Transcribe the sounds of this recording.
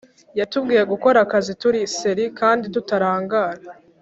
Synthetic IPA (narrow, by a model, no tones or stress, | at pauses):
jatubɡiːjeɡuko̞ɾakazituɾise̞ɾikaːnditutaɾaːŋɡaːɾa